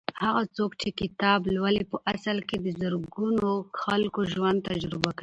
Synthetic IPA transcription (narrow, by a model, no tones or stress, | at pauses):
haɣat͡sokt͡ʃekɪt̪ɑblwalepəʔasalked̪əzəɾɡunoxalkoʒwand̪̚t̪ad͡ʒɾɪbaki